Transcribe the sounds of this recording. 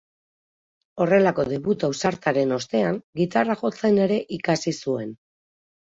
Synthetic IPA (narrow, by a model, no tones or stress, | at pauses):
o̞re̞lako̞ðe̞βut̪awsaɾt̪aɾe̞no̞st̪e̞aŋɡit̪araʝo̞t͡se̞ne̞ɾe̞ʔikasisue̞n